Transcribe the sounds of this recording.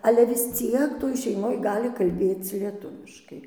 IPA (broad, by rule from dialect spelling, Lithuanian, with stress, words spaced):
ˈɑːlʲɛ ʋʲɪs ˈt͡sʲiɛk toːj ʃʲɛɪˈmoːj ˈɡɑːlʲɪ kɐlʲˈbʲeːt͡s lʲiɛˈtʊʋʲɪʃkɐɪ